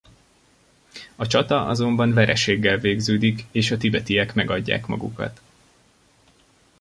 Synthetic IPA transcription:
ɒt͡ʃɒt̪ɒʔɒ̰zo̞mbɒnvɛɾɛʃeːɡːɛlveːɡzøːd̪ikeːʃɒt̪ibɛt̪ijɛkmɛɡɒɟːa̰ːkmɒ̰ɡṵkɒ̰t̪

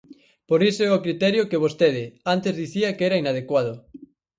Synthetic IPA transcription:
poɾisoɛokɾit̪ɛɾjokeβ̞ost̪eðɪant̪ezðiθiɐkɛɾainað̞ekwað̞ʊ

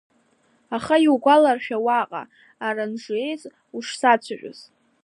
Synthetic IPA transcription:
aχajwɡʷalarʃᶣawaqʼa̰ | aranʐe̞jzʼ | uʂsat͡ɕʷʰaʒʲʷᶣʼʊ̰z̥

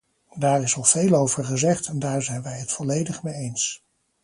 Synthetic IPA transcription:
daːɹɪsɑlˠv̥ejlowvəɹχəzɛχtɛndaːɹzɛjnʋɛjɦətfɔlejdəχmejejns

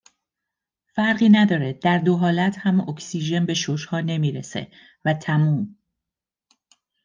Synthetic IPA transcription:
fæɾɢiːnæd̪ɒːɾed̪̥æɾd̪o̞ɦɒːlæt̪ʰhæmoksiːʒe̞nbe̞ʃoʃhɒːne̞miːɾesḛ | væt̪ʰæmuːm

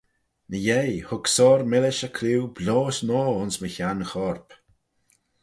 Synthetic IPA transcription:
nəjejhʊksɔɾmɪlɪʃəkʰliwbloːsnɔːʊnsməçanxɔɹp

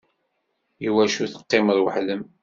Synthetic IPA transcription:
juwæʃuθə̥qːeməɾˤwəħləm

